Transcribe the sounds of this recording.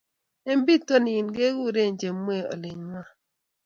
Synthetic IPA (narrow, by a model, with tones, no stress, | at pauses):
e˦m˦bi˦to˦ni˨nɡe˦ɡu˦ɾe˦˨nd͡ʒe˨˦mːwe˦˨ɔ̰˨lɪ˨ɲwa˦